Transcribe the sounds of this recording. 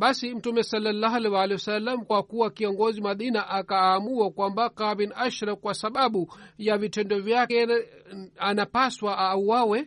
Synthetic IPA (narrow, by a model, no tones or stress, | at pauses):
ɓasim̩tumɛsalːalːaɦlɛwalɛwasalːamkwakuwakiɔŋɡɔzimaɗinaʔakaːmuakwambakavinaʃɾakwasaɓaɓujavitɛndɔvjakɛ | anapaswaʔuwawɛ